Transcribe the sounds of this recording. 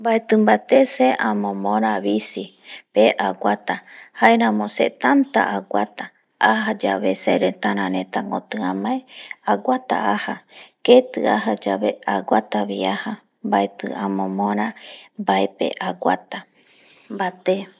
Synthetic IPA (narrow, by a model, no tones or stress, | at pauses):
mbaet̪ɨmbat̪eseʔãmõmõɾaβisi | peʔaɡʷat̪ahaeɾãmõset̪ant̪a̰ʔaɡʷat̪a | ahad͡ʒaβeseɾet̪aɾãɾẽt̪aŋɡot̪ɨãmaeaɡʷat̪a̰ahaket̪ɨ̰aɦad͡ʒaβeaɡʷat̪aβiaha | mbaet̪ɨ̰amõmõɾ̃ãmbaepḛʔaɡʷa̰t̪a | mbat̪e